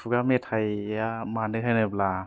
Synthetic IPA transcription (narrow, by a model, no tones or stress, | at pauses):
fuɡametʰajamanɯkɦʰajnɯp̚la